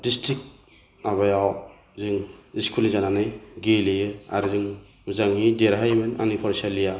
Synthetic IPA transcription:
distɾik̚ | naβajaw | zɯŋiskʰulnizananɯjɡelijɯa̰ɾzɯŋ | mzaŋhideɾɦajmɯna̰nipʰɔɾsalija

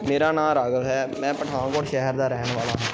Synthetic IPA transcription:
meːɾaːnãːɾaːɡəlɦɛːmɛ̃ːpəʈʰãːkoːʈʃɛɦəɾd̪aːɾɛːɳʋaːlaːɦɛ̃ː

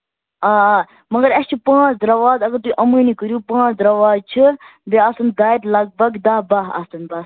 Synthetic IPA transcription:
aː | mɐɡɐɾɐst͡ʃʰipãːt͡ʃʰd̪ɾɐʋaːd̪ɐɡɐɾt̪uiʔɐmɨːnikəɾjuːpãːt͡ʃʰd̪ɾɐʋaːd̪̚t͡ʃʰibeaːsɐnd̪aːjt̪lɐɡ̚bɐɡd̪ɐːbaɦɐ̰st̪ɐnbɐs

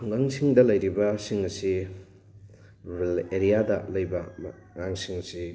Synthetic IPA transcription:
ŋɡɐŋsiŋdɐlɐjɾibɐsiŋɐsi | beleɾijadɐlɐjbɐm | ŋaŋsiŋɐsi

